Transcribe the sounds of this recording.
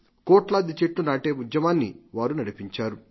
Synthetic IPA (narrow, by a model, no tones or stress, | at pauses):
kɔːʈlaːd̪it͡ʃeʈːunaːʈeːud͡ʒ̪jɐmaːnːḭʋaːɾunɐɽipiɲt͡ʃaːɾu